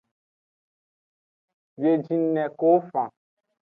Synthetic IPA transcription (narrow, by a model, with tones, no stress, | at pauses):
bje˨d͡ʒĩ˦n˦nɛ̃˨ko˦fã˨